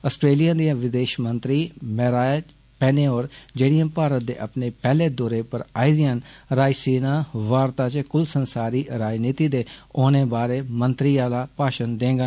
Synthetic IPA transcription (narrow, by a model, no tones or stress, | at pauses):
əsʈɾeːlijãːd̪iãːʋɪd̪eːʃmənt̪ɾiːmɛːɾaː | pɛːneːoːɾd͡ʒeːɽijãːpaːɾət̪̚d̪ḛːʔəpneːpɛːleːd̪ɔːɾeːpəɾaːiːd̪ijãːnɾaːisiːnãːʋaːɾt̪aːt͡ʃkʊlsənsaːɾiːɾaːd͡ʒniːt̪iːd̪eːoːnẽːbaːɾeːmənt̪ɾiːaːlaːpaːʃənd̪ẽːŋɡa